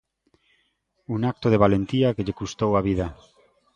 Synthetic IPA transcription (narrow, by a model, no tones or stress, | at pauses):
unak̚t̪oð̞eβ̞alent̪iakeʎekust̪owaβ̞iða